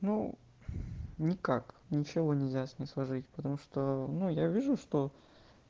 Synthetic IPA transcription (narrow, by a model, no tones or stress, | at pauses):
nu | nʲɪkak | nʲɪt͡ɕɪvo̞nʲɪlʲzʲasʲnʲɪjslˠɐʐɨtʲpə̥t̪ɐmuʂt̪onujavʲiʐʊʂt̪o